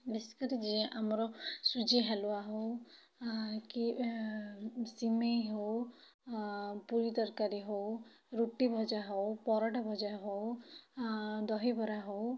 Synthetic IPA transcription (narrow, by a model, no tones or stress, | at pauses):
besi̥kɔɾid͡ʒiɛ̃ʔamɔɾɔsud͡ʒiɦaluaɦo | ki | simeɦow | puɾid̪ɔɾkaɾiɦo | ɾuʈibʱɔd͡ʒaɦowpɔɾaʈabʱɔd͡ʒaɦo | d̪ɔɦibʱɔɾaɦow